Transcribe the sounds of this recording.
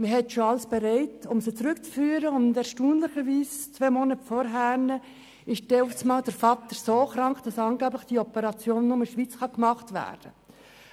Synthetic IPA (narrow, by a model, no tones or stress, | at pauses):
məɦɛtʃoɑlsb̥eɾɛɪtʊmsət͡sɾʏkt͡sfyːɾəʊndɛɾʃtuːnləχəʋiːst͡sʋvɛːmonətfɔɾɦæːnə | ɪʃtɛufsmɑːld̥əɾfɑt̪əɾsoːχɾɑŋkd̥ɑsɑnɡæːblɪχd̥iɔpəɾɑt͡sjoːnːʊməʃʋiːt͡sχɑkmɑχtvæ̰ːɾd̥ə